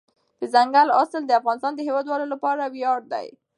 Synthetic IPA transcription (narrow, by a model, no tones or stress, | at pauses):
d̪̥əzaŋɡala̰səld̪əafɣɑnɪst̪ɑnd̪əɦewɑd̪wɑlolapɑɾawjɑɽ̚d̪a̰j